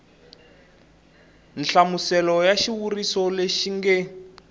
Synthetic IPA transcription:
nɬamusɛlɔjaʃiwurisɔleʃiŋɡɛ

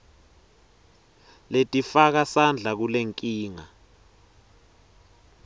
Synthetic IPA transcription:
letʼifak̬asand͡ɮʱak̬uleŋkʼiːŋa

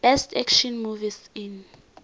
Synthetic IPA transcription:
b̥ɛstʰɛkʃɔnmuvisin

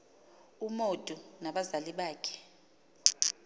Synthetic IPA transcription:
umod̥ʼʱunaɓazaliɓaːkʰɛ̥

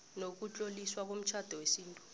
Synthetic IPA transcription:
nok̬ut͡ɬʼoliswak̬om̩t͡ʃʰad̥ʱɔwesiːntʼu̥

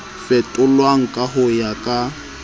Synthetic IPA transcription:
fɛtʼʊlwaŋ̩kʼaɦʊjakʼa

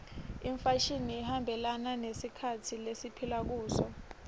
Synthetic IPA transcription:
iɱfaʃiniːhambʱɛlananesikʰatʰilesipʰilak̬uːsɔ

